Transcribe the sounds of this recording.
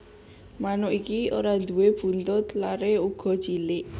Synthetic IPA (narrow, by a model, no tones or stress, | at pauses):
manʊʔikioɾad̪̥uweb̥ṳnt̪ʊt̪laɾeuɡ̥ɔ̤̥t͡ʃilɪʔ